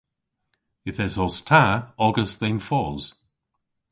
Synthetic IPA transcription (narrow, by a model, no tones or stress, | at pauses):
ɪθɛzɔstʰaɔɡəsðenfɔːz̥